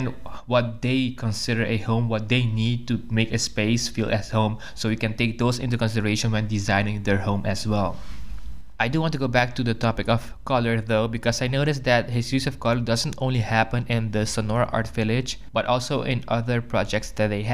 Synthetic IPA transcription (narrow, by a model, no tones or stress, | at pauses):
ɛ̃nwɔt̚d̪eɪkʰɔ̃nsɪɾəɹʔɨhõʊ̃mwɔt̪̚d̪eɪnid̚tumekɨspeɪsfilʔɛshõʊ̃m | sowikɛ̃nteɪk̚d̪oʊsɪ̰̃nt̬ukɔ̃nsɪdəɹeʃə̃nwãɪ̃ndizãɪ̃nɪ̃ŋd̪ɛɹhõʊ̃mʔæswɛl | ʔajduwɔ̃ntuɡobæk̚tuðətʰɔpɪkɔv̥ | kɔləɹðoʊbikɔsajnoʊɾɪsd̪æt̚hɪsɹisɔfkʰɔləɹdʌzə̃ntõʊ̃nlihæpə̃nɪ̃nd̪əsɔnɔɹə̰ʔa̰ɹtvɪlɪd͡ʒb̥ʌtʔɔlˠsoʊʔɪ̃nʔʌðəɹpɹɔd͡ʒɛk̚tsd̪ɛt̚d̪eɪɦ